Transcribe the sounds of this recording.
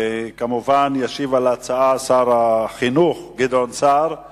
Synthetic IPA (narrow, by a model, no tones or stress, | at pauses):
kamuvanjaʃivalat͡saasaʁaχinuχɡid̪onsaʁ